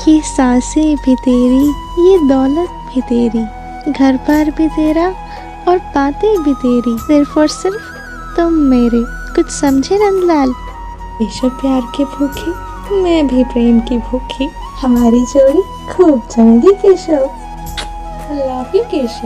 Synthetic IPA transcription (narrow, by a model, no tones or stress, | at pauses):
kesãːsebʱit̪eːɾi | jed̪ɔːlət̪̚bʱit̪eːɾi | ɡʱɐɾpəɾbʱit̪eːɾa | ɔːɾpãːt̪ebʱit̪eːɾisɪɾfəɾsɪɾf | t̪ʊmːeːɾe | kʊt͡ʃʰsɐmd͡ʒʱenə̃nlaːl | eːʃəpjaːɾkibʱuːkʰi | mɛ̃bʱipɾeːmkibʱuːkʰi | hɐmaːɾit͡ʃoːɽi | kʰuːbt͡ʃɐ̃md̪it̪eːʃə | t̪ʰɐlːaːfikeːʃ